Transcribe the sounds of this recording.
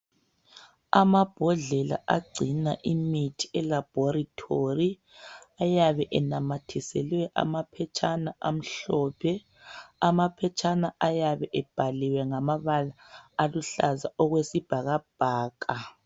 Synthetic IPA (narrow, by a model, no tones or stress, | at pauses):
amab̥ʱɔɮɛla̰ʔaɡ͡ǀʱinaʔimitʰi̥ɛlab̥ʱɔɾitʰori | ajaβɛʔɛnamatʰisɛlwɛʔa̰mapʰɛt͡ʃʰʼanaʔam̩ɬɔːpʰɛ | amapʰɛt͡ʃʼanaʔajaβɛʔɛb̥ʱaliwɛŋamaβalaːluɬazaɔɣwesib̥ʱaɣab̥ʱaːkʰʼa